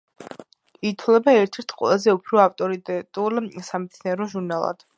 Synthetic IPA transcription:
it̪ʰwlɛbaɛɾt̪ʰɛɾt̪ʰqʼwɛ̰lˠazɛupʰɾɔaft̪ʼɔɾit̪ʼɛt̪ʼulsamɛt̪sʰniɛɾɔʒuɾnalˠa̰d̪̥

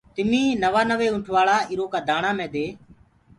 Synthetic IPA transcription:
t̪ɪmĩːnəʋaːnəʋeːʊɳʈʰʋaːɭaːɪɾoːkaːd̪ʱaːɳãːmẽːd̪eː

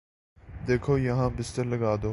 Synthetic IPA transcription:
d̪eːkʰoːjɐɦãːbɪst̪əɾləɡaːd̪oː

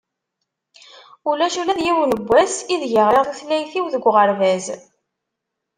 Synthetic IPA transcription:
ulæʃulæðjiwnəbʷːæsiðʝəʁɾəʁθuθlæjθiwðəɡʷʁəɾvæz

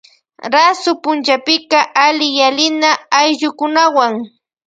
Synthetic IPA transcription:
ɾasʊpʊnt͡ʃapɪkaʔalɪjalɪnaːjʎʊkʊnawaŋ

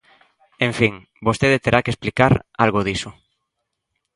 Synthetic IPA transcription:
ẽɱfiŋ | bost̪eðet̪eɾʔakesplikaɾalɣoðisʊ

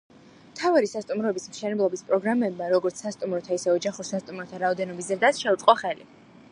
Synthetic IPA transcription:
mt̪ʰavaɾisast̪ʼumɾɔɛbismʃɛnɛblˠɔbispʼɾɔɡɾamɛbmaɾɔɡɔɾt̪sʰsast̪ʼumɾɔt̪ʰaisɛɔd͡ʒaχuɾsast̪ʼumɾɔt̪ʰaɾaɔd̪ɛnɔbis̬zɾd̪asʃɛut̪sʼqʼɔχɛli

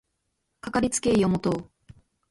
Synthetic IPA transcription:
kakaɾʲit͡sɨ̥ke̞iomot̪oː

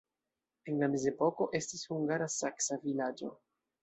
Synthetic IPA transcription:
e̞nlame̞ze̞po̞ko̞ʔe̞stishuŋɡaɾasaksavilad͡ʒo̞̰

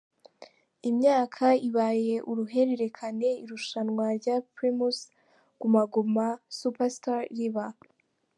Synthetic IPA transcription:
imɲaːkʰaiβaje̞ʔuɾuɦe̞ɾe̞ɾe̞kʰane̞iɾuʃanŋwaɾɟapɾimus | kumaɡomasupastaɾɾiβa

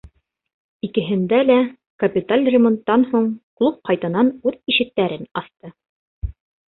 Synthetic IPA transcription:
ikɘ̆ɦɘ̆nd̪ælæ | kɐpʲit̪alʲrʲɪmont̪ːɑnhuɴqlˠup̚qɑjt̪ɤ̆nɑnʉðiʃɘ̆t̪ːæɾɘnɑθt̪ɤ

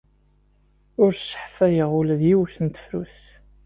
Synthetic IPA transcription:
ʊɾsə̥ħfæjəʁʊlðjiwθənt̪ə̥fɾuθ

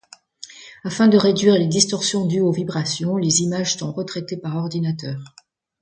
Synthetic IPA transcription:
afɛ̃d̪əʁed̪ɥiʁled̪ist̪ɔʁsjɔ̃d̪yovibʁasjɔ̃lezimaʒsɔ̃ʁət̪χɛt̪epaʁɔʁd̪inat̪œːʁ

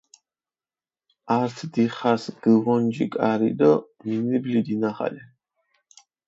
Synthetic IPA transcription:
aɾt̪ʰd̪iχasɡ̥əvɔnd͡ʒikʼaɾid̪ɔminiblid̪inaχa̰li

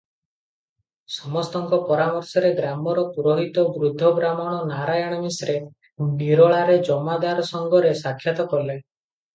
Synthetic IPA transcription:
sɔmɔst̪ɔŋkɔpɔɾamɔɾsɔɾeɡɾamɔɾɔpuɾɔɦit̪ɔbɾud̪ʱːɔbɾamɔɽ̃ɔnaɾajɔɽ̃ɔmisɾe | niɾɔɭaɾed͡ʒɔmad̪aɾɔsɔŋɡɔɾesakʰːjat̪ɔkɔle

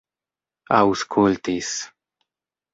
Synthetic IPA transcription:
auskʰult̪is

